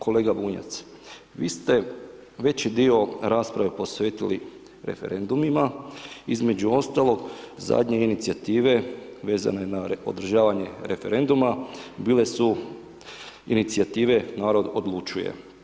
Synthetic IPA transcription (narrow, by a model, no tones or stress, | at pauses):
kʰo̞le̞ːɡabuːɲa̰t̪s | ʋiːst̪e̞ | ʋe̞t͡ɕid̪io̞ɾaːspɾaʋe̞po̞sʋe̞ːt̪ili | ɾe̞̰fe̞̰ɾe̞nd̪umimaizme̞d͡ʑuo̞st̪alˠo̞ɡza̰d̪ɲe̞init̪sijat̪iːʋe̞ʋe̞ːza̰ne̞naod̪ɾ̩ʒaːʋaɲe̞ɾe̞fe̞ɾe̞nd̪umabiːle̞su | init̪siat̪iːʋe̞naːɾo̞d̪o̞d̪lˠut͡ʃujḛ